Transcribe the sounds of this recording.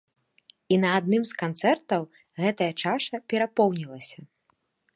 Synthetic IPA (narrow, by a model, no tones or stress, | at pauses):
inɐad̪nɨmskant̪sɛrt̪ɐw | ɣɛt̪ɐjɐt͡ʂaʂɐpʲɛɾapɔwnʲilˠɐsʲɐ